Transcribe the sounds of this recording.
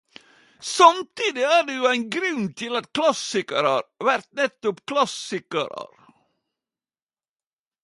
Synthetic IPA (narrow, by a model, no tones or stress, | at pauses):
sɑmt̪ʰiːd̪ɪæːɖɛjʊæɪnɡɾʉnt̪ʰɪlɑt̪kʰlɑsɪkəɾɑɾʋæɾt̪nɛt̪ːʊpkʰlɑsɪkə̰ɾə̰ɾ